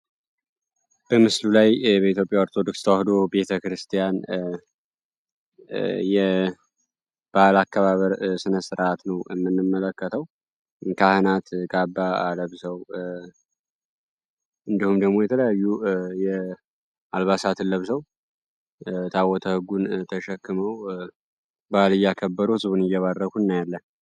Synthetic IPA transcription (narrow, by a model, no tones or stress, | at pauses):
b̥əmɨslulajbəit̪ʰjopʼjaoɾt̪ʰo̞d̪okst̪ʰəwahd̪obe̞t̪ʰəkɾɨst̪ʰijan | jɛ | b̥alakʰːaβaβəɾsɨnəsɨɾʔat̪nəwɛmːɨnːɨmːələkːət̪ʰəw | kʰahɨnat̪ɡabːaa̰ləβsəw | ɨnd̪ihumd̪əɡmojɛt̪ʰələjajːujɛ | alβasat̪ʰɨnləβsəw | t̪ʰawɔt̪ʰəhɨɡunt̪ʰəʃɛkːɨməw | balɨjːakʰəbːəɾuhɨzbunɨjːɛβarːəkʰunːajalːən